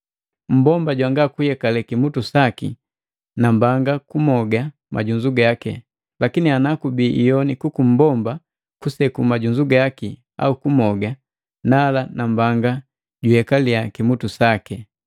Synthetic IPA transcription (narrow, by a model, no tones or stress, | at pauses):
m̩bɔmbaɟwaŋɡakuhɛkalɛkimutusakḭ | nambaŋɡakumɔɡa | mʔa̰ɟuɲd͡ʒuɡakɛ̰ | lakinianakubiʔijɔnikukum̩bɔmba | kusɛkumaɟuɲd͡ʒuɡaki | a̰ukumɔɡa | nalanambaŋɡa | ɟuhɛkaliakimutusakɛ